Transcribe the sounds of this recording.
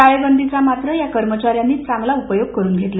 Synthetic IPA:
aɭebənd̪ʱit͡samat̪ɾəjakəɾmət͡ɕaɾjanːiːt͡saŋɡlaupəjoɡ̚kəɾuːnɡʱet̪la

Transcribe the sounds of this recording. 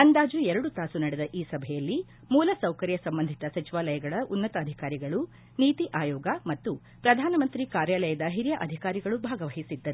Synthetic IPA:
ɐnd̪aːd͡ʒuɛɾɐɽut̪aːsunɐɽɛd̪ɐʔiːsɐbʱɛjɐlːi | muːlɐsɐwkɐɾjɐsɐmbɐnd̪ʱit̪ɐsɐt͡ʃiʋaːlɐjɐɡɐɭɐʔunːɐt̪ɐːd̪ʱikaːɾiɡɐɭu | niːt̪iʔaːjɔːɡɐmɐt̪ːu | pɾɐd̪ʱaːnɐmɐnt̪ɾikaːɾjaːlɐjɐd̪ɐɦiɾjɐʔɐd̪ʱikaːɾiɡɐɭubʱaːɡɐʋɐɦisid̪ːɐɾu

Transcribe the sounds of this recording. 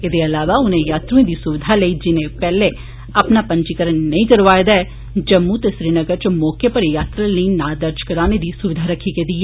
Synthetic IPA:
ɪd̪eəlaːʋaːʊnẽjaːt̪ɾəẽd̪iːsʊʋɪd̪ʱaləiːd͡ʒɪnẽpɛːle | əpnaːpə̃ɲt͡ʃikəɾənːəĩːkəɾʋaːjd̪aɛː | d͡ʒəmːũːt̪esɾiːnəɡəɾt͡ʃmɔːkepəɾjaːt̪ɾələiːnãːd̪əɾd͡ʒkəɾaːned̪iːsʊʋɪd̪ʱaɾəkʰːikeːd̪iːɛ

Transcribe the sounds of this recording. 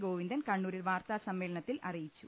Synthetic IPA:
ɡoːʋind̪ɐnkɐɳːuːɾilʋaːrt̪asɐmːe̞ːlɐɳɐt̪ːilʔɐrijit͡ɕːu

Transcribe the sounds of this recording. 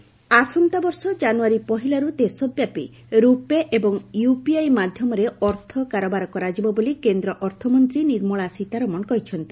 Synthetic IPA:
asɔnt̪abɔɾsɔd͡ʒanuaɾipɔɦilaɾud̪esɔbjapḭ | ɾupeʔebɔŋjupiajmad̪ʱjɔmɔɾeɔɾt̪ʰɔkaɾɔbaɾɔkɔɾad͡ʒibɔbolikend̪ɾɔʔɔɾt̪ʰɔmɔnt̪ɾiniɾmɔɭasit̪aɾɔmɔnɔkɔɦit͡ʃʰɔnt̪i̥

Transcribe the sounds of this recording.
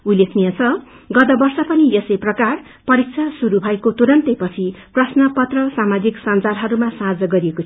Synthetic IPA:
ulekʰnijʌt͡sʰʌ | ɡʌt̪ʌbʌrsʌpʌniesejprʌkar | pʌɾik̚t͡sʰasuɾubʱʌekot̪uɾʌnt̪ejpʌt͡sʰiprʌsnʌpʌt̪rʌsamad͡ziksand͡zalɦʌɾumasãd͡zʌɡʌɾijekot͡sʰ

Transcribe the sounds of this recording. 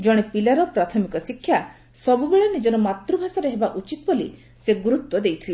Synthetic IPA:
d͡ʒɔɽ̃epilaɾɔpɾat̪ʰɔmikɔsikʰːja | sɔbubeɭɔnid͡ʒɔɾɔmat̪ɾubʱasaɾeɦebaʔut͡ʃit̪ɔbɔlḭ | seɡuɾut̪wɔd̪ejt̪ʰile

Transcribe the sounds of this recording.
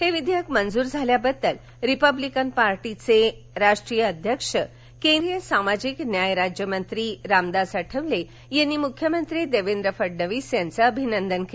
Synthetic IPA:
heʋid̪ʱjakmənd͡zuːɾd͡zʱaljabəd̪ːəl | ɾipəblikənpaɾʈit͡se | ɾaʂʈɾijəːd̪ʱjəkʂə | kẽnɾɾijəsamad͡ʑiknjajɾad͡ʑjəmənt̪ɾiːɾamd̪asəʈʰəʋle | jenːimukʰjəmənt̪ɾiːd̪eʋend̪ɾəfəɖnəʋiːsjant͡səːbʱinənd̪ənke

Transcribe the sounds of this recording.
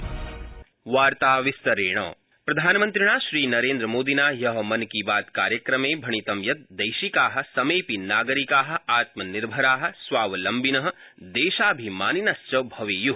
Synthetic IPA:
ʋaːɾt̪aːʋist̪ɐɾeːɳ̃ɐ̰̃ː | pɾɐd̪ʱaːnmɐ̃nt̪ɾiɽ̃aːʃɾiːnɐɾẽːnd̪ɾɐmoːd̪inaːjɐɦɐmɐnkibaːt̪kaːɾjɐkɾɐmẽːbʱɐɳ̃it̪ɐmjɐt̪̚d̪ɐjʃikaːɦɐ̆sɐmeːpinaːɡɐɾikaːɦɐ̆aːt̪mɐniɾbʱɐɾaːɦɐ̆sʋaːʋlɐmbinɐɦɐ̆ | d̪eːʃaːbʱimaːninast͡ʃɐbʱɐʋiːju

